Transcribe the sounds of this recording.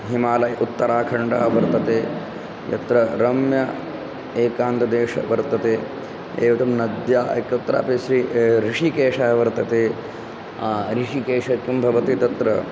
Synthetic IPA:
ɦimaːlɐjʔut̪ːɐɾaːkʰɐɳɖaːʋɐɾt̪ɐt̪eː | jɐ̰t̪ɾɐɾɐmjɐ | eːkaːnt̪ɐd̪eːʂɐ̰ʋɐɾt̪ɐt̪eː | ḛːʋɐt̪ɐmnɐd̪jaːɐ̰kːɐut̪ːɐɾa̰ːpeʃɾiɾiʂikeːʂɐːɐʋɐɾt̪ɐt̪eː | aːɾiʂikeːʂɐkːumbʱɐʋɐt̪it̪ɐt̪ɾɐ

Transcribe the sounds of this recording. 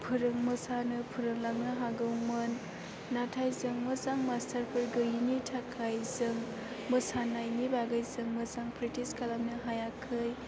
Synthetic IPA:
pʰɯɾɯŋmɯsanɯpʰɯɾɯŋlaŋ̚nɯɦaɡɯwmɯnː | atʰajzɯŋmɯzaŋmastʰəɾpʰɯɾɡɯɦinitʰakʰajzɯŋ | mɯsanajnibaɡajzɯŋmɯzaŋpʰɾitiskʰalamnɯɦajakʰɯj

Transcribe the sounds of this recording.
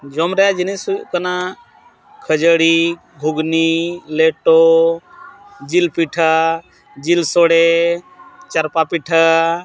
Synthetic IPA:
d͡ʒɔmɾɛjad͡ʒinisujuʔkana | kʰəd͡ʒəɽi | ɡʱuɡnileʈo | d͡ʒilpiʈʰa | d͡ʒilsɔɽe | t͡ʃəɾpapiʈʰa

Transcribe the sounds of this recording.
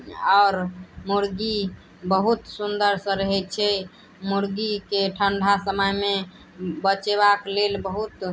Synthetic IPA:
aːɾmuɾɡi | bəɦut̪sund̪əɾsə̃ɾəɦɛt͡ʃʰɛ | muɾɡikeʈʰəɳɖʱasəməjme | bət͡ʃeβaklelbəɦut̪

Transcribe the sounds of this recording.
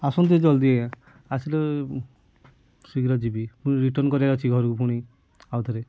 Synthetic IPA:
asɔnt̪̬id͡ʒɔld̪ieã | asʰile | siɡɾɔd͡ʒibipũiɾiʈɔɾnkɔɾiaɾɔt͡ʃʰiɡʱɔɾkupuɽ̃i | awt̪ʰɔɾe

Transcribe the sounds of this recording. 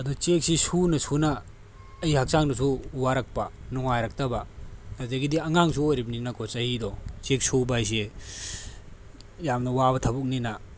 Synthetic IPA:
ɐdut͡ʃek̚sisunɐsunaː | jhak̚saŋnɐs̬uwaɾɐk̚pɐnuŋajɾɐk̚tɐbaɐzeɡidiɐŋaŋsuojɾibninɐkʰɔsɐhidɔt͡ʃek̚subajs̬e | jamnɐwabɐtʰɐbuk̚nina

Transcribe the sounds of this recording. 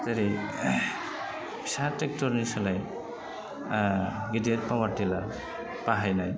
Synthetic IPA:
teɾej | psatɛk̚tɔɾnisalaj | ɡideɾpawaɾtila | paɦajnaj

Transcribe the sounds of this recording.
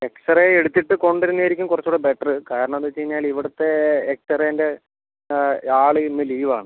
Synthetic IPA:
e̞ksɐreeɽut̪ːiʈːɨko̞ɳɖiɾunːɐjiɾikʲːumkurɐt͡ɕːuːɽebe̞ʈːɐrɨkaːɾɐɳɐmɐðɨt͡ɕejiɲːaːliʋiɽɐt̪ːe̞ːk̚ʈɐreende̞ | aːɭɨmiliːʋaːɳɨ

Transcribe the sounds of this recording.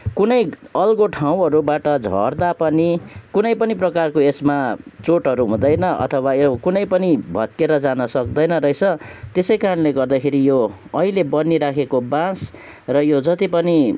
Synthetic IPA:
kunʌjʌlɡoʈʰãw̃ɦʌɾubaʈʌd͡zʱʌ̰rd̪apʌnikunʌjpʌniprʌkarkoesmat͡soʈʌɾuɦũd̪ʌjnʌʔʌ̰t̪ʰʌwajokunʌjpʌnibʱʌt̪̚keɾʌd͡zanʌsʌkd̪ʌjnʌɾʌjt͡sʰʌt̪esʌjkaɾʌnleɡʌrd̪akʰeɾijoʌɦilebʌnːiɾakʰekobãs | rʌjod͡zʌt̪ipʌni

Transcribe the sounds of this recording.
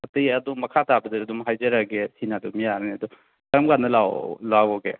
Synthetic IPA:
ɐtijɐdumɐkʰatabɐdiɾɐdumɦajzɐɾaɡetʰinadumijaɾneɐdu | kɐɾɐmkanɐla̰wlawɔɡe

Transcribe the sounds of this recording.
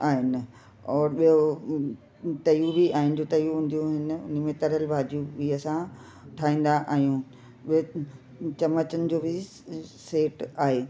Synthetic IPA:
aːɦɪnɪ̆ | ɔːɾɓijo | t̪ɐjubʱiaːɦɪ̃nɪ̆d͡ʑoːt̪ɐjuɦũn̆d̪ijũɦɪn̆ʊ̰n̆mẽt̪ɐɾɦəlbʱaːd͡ʑjũbʱiɐsã | ʈʰaːɦĩːn̆d̪aʔaːɦijũ | ɓiɦo | t͡ɕɐmət͡ɕənɪ̆d͡ʑoːbʱɪ | seːʈaːɦeː

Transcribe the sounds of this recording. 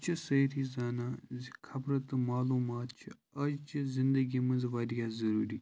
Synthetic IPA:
t͡ʃʰisɐɾizaːnaːkʰɐbɾɐt̪maːluːmaːt̪t͡ʃʰi | ɐd͡ʒt͡ʃʰizɪ̃nd̪əɡimɐ̃nzʋaːd̪ijazɐɾuːɾiː

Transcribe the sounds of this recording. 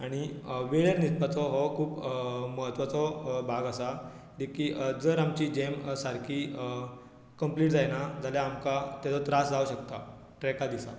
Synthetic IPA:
aɽ̃iʋeɭeɾnit̪pat͡sɔɦɔkʰuːpməɦət̪ʋat͡sɔbʱaɡasa | d̪ikiːd͡zəɾamt͡ɕiːd͡ʑemsaɾkʰi | kəmpliːʈd͡zajnad͡zʱaljaːmkat̪ɛt͡sɔt̪ɾasd͡zauɕəkt̪a | ʈɾɛkad̪isa

